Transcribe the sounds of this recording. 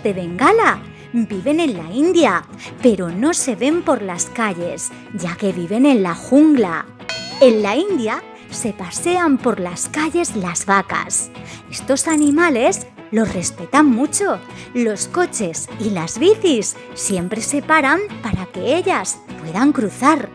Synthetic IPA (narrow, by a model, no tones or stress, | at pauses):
d̪eβe̞ŋɡala | biβe̞ne̞nlaind̪jape̞ɾo̞no̞se̞βe̞mpo̞ɾlaskaʎe̞s | ʝake̞βiβe̞ne̞nlaxuŋɡla̰ | e̞nlaind̪ja | se̞pase̞ampo̞ɾlaskaʎe̞zlazβaka̰se̞st̪o̞sanĩmale̞s | lo̞sre̞spe̞t̪amːut͡ʃo̞ | lo̞sko̞t͡ʃe̞silazβiθisː | je̞mpɾe̞se̞paɾampaɾake̞e̞ʎaspwe̞ðaŋkɾuθaɾ